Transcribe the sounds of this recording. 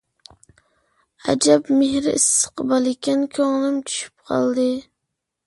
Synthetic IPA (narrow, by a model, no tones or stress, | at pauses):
æ̰d͡ʒɛbmehɾɪɪsːɨ̥qʰɨbɑlˠɪkʲʰɛnkʲʰoŋlˠɪmt͡ʃʰy̥ʃy̥p̚qʰɑ̰lˠd̪ɨ